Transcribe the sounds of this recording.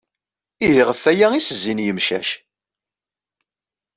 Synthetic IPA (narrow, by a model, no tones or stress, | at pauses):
iðiʁəfːæjæisəzːinjəmʃæ̰ʃ